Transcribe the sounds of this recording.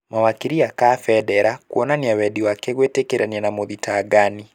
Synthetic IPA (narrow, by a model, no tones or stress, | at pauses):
mawakiɾiakafɛdɛɾakuɔnaniawɛdiwakɛɣwetekeɾaniɛnamoðitaːɡani